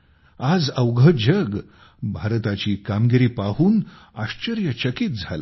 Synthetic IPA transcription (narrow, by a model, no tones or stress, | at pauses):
ad͡zəwɡʱəd͡ʑəɡ | bʱaɾt̪at͡ɕiːkamɡiɾiːpaɦuːn | aɕt͡ɕəɾjət͡ɕəkiːt̪̚d͡zʱala̰